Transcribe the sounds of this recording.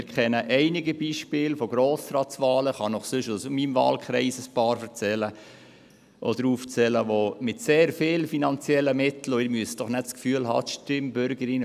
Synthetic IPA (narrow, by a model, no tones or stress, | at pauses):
ɪɾkʰχɛnəʔɛɪnɪɡəbiːʃpɪːlfɔɡɾoːsrɑːtsʋɑːləχɑnɔχsʏʃosmimvɑ̰ːlkχɾɛɪsəspɑːɾfəɾt͡sɛlə | ʔɔ̰dɾuːft͡sɛləʋomɪtseːɾfɪːlfinɑnt͡sjɛləmɪt̪l̩oɪɾmyəsd̥ɔχnɛtskfyːəlhɑ̰ːt̪ʃtɪmbʏɾɡəɾɪn